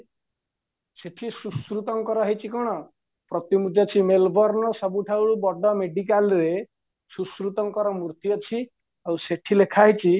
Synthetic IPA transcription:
seʈʰisuskɾut̪ɔŋkɔɾɔɦejt͡ʃʰikɔɽ̃ɔ | pɾɔt̪imud͡ʒɔt͡ʃʰimelbɔɾnɔsɔbuʈʰawɭubɔɖɔmeɖikalɾe | suskɾut̪ɔŋkɔɾɔmuɾt̪jɔt͡ʃʰi | awseʈʰilekʰaɦit͡ʃʰi

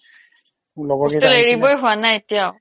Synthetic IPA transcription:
ulɔɡɔtʊleɹibojɦʊanajetijaʊ

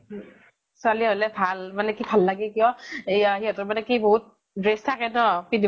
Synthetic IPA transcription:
sʊaliɦolɛbʱalmanɛkibʱalːaɡɛkijɔ̃ejɦiɦɔtɔmanɛkiboɦut̚ | ɹestʰakɛtɔpidi

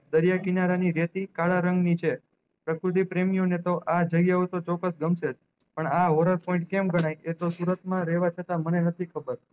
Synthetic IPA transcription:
d̪əɾjakinaɾaniɾet̪ikaɭaɾəŋɡnit͡ʃʰe | pɾəkɾut̪̬ipɾemijonet̪oʔad͡ʒəɡjaot̪ot͡ʃɔkːəsɡəmsed͡ʒ | pəɳaɦoɾəɾpɔĩɳʈ̚kemɡəɽ̃ajet̪osuɾət̪mãɾɛʋat͡ʃʰət̪amənenət̪ʰikʰəbəɾ

